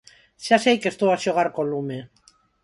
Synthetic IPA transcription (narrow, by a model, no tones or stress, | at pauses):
seasejkest̪uasjoɣaɾkolume